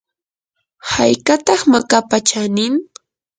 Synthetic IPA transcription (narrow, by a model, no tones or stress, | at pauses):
hajkat̪ɑχmakapat͡ʃanɪm